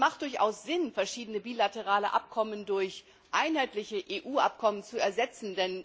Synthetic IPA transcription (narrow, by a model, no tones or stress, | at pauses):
maχt̚d̥ʊɐçʔa̰ʊsz̥ɪnfɛɐʃiːdənəbiːlatəʁaːləʔa̰p̚kʰɔməndʊɐç | ʔaɪnhaɪtlɪçəʔeːʔuːʔa̰p̚kʰɔmənt͡suɛɐzɛt͡sn̩dɛn